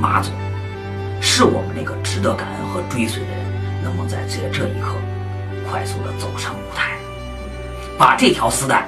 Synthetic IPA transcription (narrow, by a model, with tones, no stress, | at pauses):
ma̰˧˥t͡su˨˩˦ | ʂɻ̩˥˩wɔ̰˨˩mə˦na˥˩ɡə˩ʈ͡ʂɻ̩˧˥t̪ə˧˥ka˨˩nə̰˥nxɤ˧˥ʈ͡ʂwe˥ɪswe˨˩ɪə˧ə˧˥nnə˧˥ŋmə˧ŋt͡sa˥˩ɪt͡ɕɥɛ˧˥ʈ͡ʂɤ˥˩ḭ˧˥kʰɤ̰˥˩ | kʰwa˥˧ɪsu˥˩d̪ə̰˩t͡so˨˩ʊʂʰɤ˧˥ŋu˧˥t̪ʰa˥˩ɪ | pa˨˩ʈ͡ʂɤ˥˩t̪ʰjɑ˧˥ʊsɹ̩˥t̪ʰa˥˩ɪ